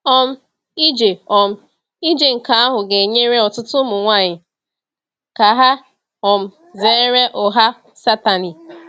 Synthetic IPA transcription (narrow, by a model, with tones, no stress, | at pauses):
ɔ˦m̩˦ | i˦d͡ʒe˨ɔ˨m̩˦ | i˦d͡ʒe˨ŋ̩˨ka˨˦a˦ɦʊ˨ɡe˨ɲe˦ɾe˦ɔ˨tʊ˦tʊ˦mʊ˨ŋʷa˦˨ɲɪ˨ | ka˨ɦa˦ | ɔ˨m̩˨ | ze˨˦ɾe˦ʔʊ˨ɦa˦ | sa˦ta˨ni˨